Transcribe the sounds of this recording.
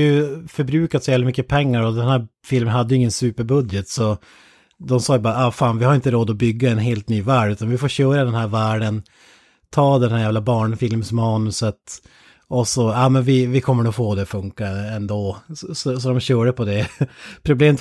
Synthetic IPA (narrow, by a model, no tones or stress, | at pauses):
jɵfœɾbɾʉ̟ːkat̪sɔjævlmʏkːəpʰɛŋːaɾɔd̪ɛnhæːɾfɪlmənhad̪ːəjʏɪŋːənsʉːpəɾbɵd̪jət̪sɔ | d̪ɔmsɑːjbɑːɾaɑːfaːnvɪhaɾɪnt̪əɾoːd̪ɔbʏɡːaɛnɦeːlt̪nyːvæːɖʉːt̪anvɪfoːɕøːɾad̪ɛnhæːɾvæːɖən | t̪ʰɑːd̪ɛnɦhæɾjæːvlabɑːɳfɪlmsmɑːnɵsət̪ | ɔsɔɑːmɛnvɪvɪkʰɔmːəɾɔfoːd̪ɛfɵŋkaɛnd̪oːsɔsɔd̪ɔmɕøːɖəpʰɔd̪ɛpʰɾʊbleːmət̪